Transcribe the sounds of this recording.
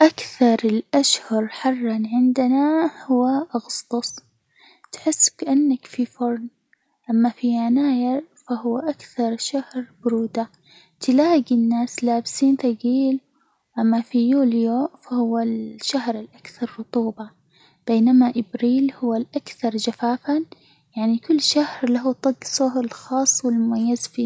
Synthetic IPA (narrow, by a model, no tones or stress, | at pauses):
ʔakθɑɾˤɪlʔaʃhɑɾˤħɑrˤːɑnʕɪnd̪ɪnahʊwːaʔaɣʊst̪ˤʊsˤ | t̪ħɪsːkaʔanːakfifʊɾˤn | ʔamːafiʕanaːjɪɾ | faɦʊwːaʔakθɑɾˤʃahɾbʊɾuːd̪a | t̪ɪlaːɡinːaːslaːbɪsiːnt̪aɡiːl | ʔamːafijuːljofahʊwːalʃahɾɪlʔakθɑɾˤːʊt̪ˤuːbɑ | b̥eːnamaʔɪbɾiːlhʊwːalʔakθɑɾˤd͡ʒafaːfa | jaʕnikʊlːʃahɾlaɦut̪ˤɑɡsˤʊhɪlxɑːsˤːwɪlmʊmajːɪzfiː